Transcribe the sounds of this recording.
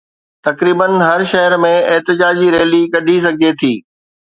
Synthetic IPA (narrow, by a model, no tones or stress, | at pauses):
t̪ɐkɾiːbənɦɐɾʃɐɦəɾmẽeɦt̪ɪd͡ʑaːd͡ʑiɾeːlikɐɗʱis̬ɐɡʱet̪ʰiː